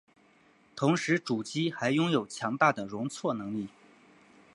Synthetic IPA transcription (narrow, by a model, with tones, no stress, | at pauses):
t̪ʰʊ˧˥ŋʂɻ̩˧˥ʈ͡ʂu˨˩t͡ɕi˥xa˧˥ɪjʊ˥ŋjo˨˩ʊt͡ɕʰjɑ˧˥ŋt̪a˥˩d̪ə˩ɻʊ˧˥ŋt͡sʰwɔ˥˩nɤ˧˥ŋli˥˩